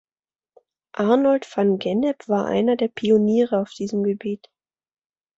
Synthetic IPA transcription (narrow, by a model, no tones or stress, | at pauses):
ʔaɐnɔltfanɡɛnɛpv̥aːɐʔa̰ɪnɐdeːɐpʰioniːʁəaʊfd̥iːzəmɡəbiːt